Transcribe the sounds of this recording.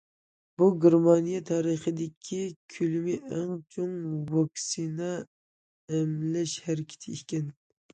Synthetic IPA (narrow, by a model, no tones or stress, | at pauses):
buɡʲɪɾmɑnijɛt̪ʰɑːɾəχəd̪ɪkʲʰikʲʰylmɪʔæŋt͡ʃʰoŋwɑksinɛ | ɛmlɛʃhæɾɪkʲʰi̥t̪ʰɪikʲɛn